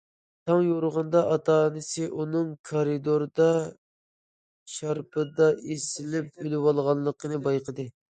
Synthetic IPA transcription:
t̪ʰɑŋjoɾʊʁɑnd̪ɑʔɑt̪ʰɑːnɨsɨʔunɨŋkʰɑɾid̪oɾd̪ɑ | ʃɑɾpʰɨd̪ɑesɪlɪp̚ølɪwɑlˠʁɑnlˠəqʰənɨbɑjqʰəd̪ɨ

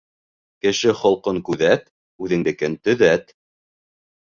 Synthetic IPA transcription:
kɘ̆ʃɘχŏlˠqɤŋkʉðæt̪ | ʉðɘ̆ŋd̪ɘ̆kɘnt̪ɵ̆ðæt̪

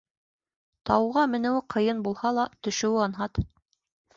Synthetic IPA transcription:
t̪ɑwʁɑmɘ̆nɘ̆wɘqʰɤ̆jɤnbulˠhɑlˠɑt̪ɵ̆ʃɘ̆wɘɑnɦɑt̪

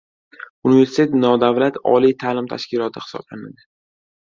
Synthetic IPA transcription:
unive̞ɾsɪ̥t̪ʰet̪nɒd̪avlat̪ʰɒ̰lit̪ʰaːlɪmt̪ʰa̰ʃkʲɪlˠɒt̪ʰɪhɪ̥sɒ̰b̥lana̰d̪ɪ

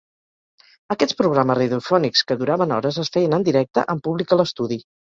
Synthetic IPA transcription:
əkɛt͡sspɾuɣɾaməriðufɔnikskəðuɾaβənɔɾəzəsfɛjənənd̪iɾɛk̚t̪ə̰ʔəmpuβlikələst̪uði

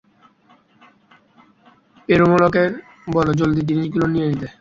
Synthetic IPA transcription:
peɾomolokeɾ | bɔlod͡ʑold̪it̪̬iniʃkilonijenit̪e

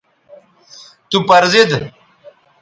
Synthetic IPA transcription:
t̪upɐɾzid̪

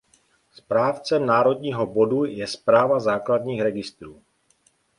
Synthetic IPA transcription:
spɾaːft͡sɛmnaːɾo̞dɲiːɦobo̞dujɛspɾaːvazaːkladɲiːxɾɛɡɪst̪ɾuː

